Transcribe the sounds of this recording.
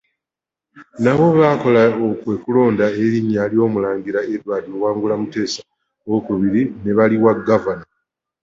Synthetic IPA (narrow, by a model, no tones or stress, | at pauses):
naβo̞βaːko̞laokwe̞ːkulo̞ːndaeɾiɲːaːljo̞ːmulaːŋɡiɾaedwaːtowaːŋɡulamute̞ːsḁ | okuβiɾine̞βaliwaɡːavana